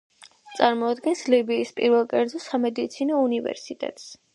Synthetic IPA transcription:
t̪sʼaɾmɔad̪ɡɛnslibiːspʼḭɾvɛlˠkʼɛɾd̪zɔsamɛd̪it̪sʰinɔunivɛ̰ɾsit̪ʼɛ̰t̪ʼs

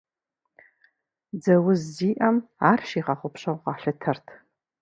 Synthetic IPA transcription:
d͡zɐwʊzːiːʔɐmaːrʃiːʁɑχʷʊpɕɐwqɑɬɨtʰɐrtʰ

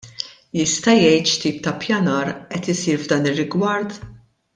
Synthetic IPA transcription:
jɪst̪ɐjɛjt̪ʃt̪iːp̚t̪ɐpjɐnɐːɾʔɛt̪ɪsiːɾvd̪ɐːnɪrːɪɡwɐɾt̪

